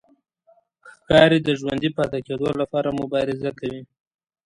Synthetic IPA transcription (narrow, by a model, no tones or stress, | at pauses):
xkɑɾid̪əʒwand̪ipat̪aked̪olapɑɾamʊbɑɾɪzakawi